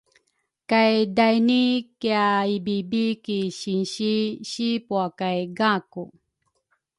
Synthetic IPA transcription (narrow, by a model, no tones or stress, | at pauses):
kajdajnikjaibibikiɕinɕiɕipuakajɡaku